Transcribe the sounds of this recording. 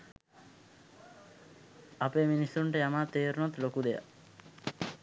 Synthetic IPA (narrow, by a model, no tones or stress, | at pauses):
apeːminisːuɳʈəjamaːt̪ːeːɾunot̪lokud̪eja̰